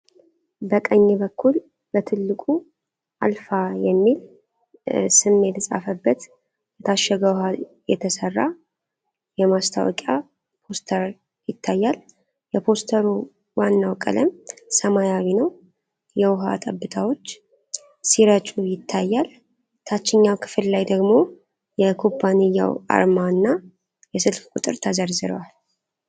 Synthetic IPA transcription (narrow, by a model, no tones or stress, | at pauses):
bəkʼəɲːibəkʰːul | bət̪ʰɨlːɨkʼu | ʔa̰lfajɛmːil | sɨmːet̪sʼa̰fəbːət̪ | jɛt̪ʰaʃːɛɡəwha | jɛ̰t̪ʰəsərːa | jɛmast̪ʰa̰wɔ̰kʼja | pʰo̞st̪ʰəɾ | jɪt̪ʰːajːal | jɛpʰo̞st̪ʰəɾu | wanːawkʼə̰ləmsəmajawinəw | jɛwʊɦat̪ʼəbːɨt̪ʰawo̞t͡ʃː | siɾət͡ʃʼujɪt̪ʰːajːal | t̪ʰat͡ʃːɪɲːawkʰɨ̥fɨllajd̪əɡmo̞ | jɛkʰopʰːanɨjːa̰wa̰ɾmaɨnːa | jɛsɨlfkʼut̪ʼɨɾt̪ʰəzəɾzɨɾə̰wal